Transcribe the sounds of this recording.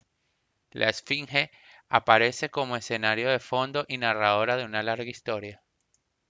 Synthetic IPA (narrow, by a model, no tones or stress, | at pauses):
lʔa̰esfiŋhe | apaɾe̞se̞ko̞mo̞e̞se̞naɾjo̞ðe̞fo̞nd̪o̞ʔinaraðo̞ɾaðe̞unalaɾɣaist̪o̞ɾja